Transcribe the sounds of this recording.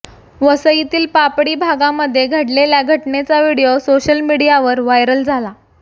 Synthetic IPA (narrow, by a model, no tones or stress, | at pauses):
ʋəsəit̪iːlpapɽiːbʱaɡaməd̪ʱːjeɡʱəɽleljaɡʱəʈɳet͡saʋiɽijosoɕəlmiɽijaʋəɾʋajɾəld͡zʱala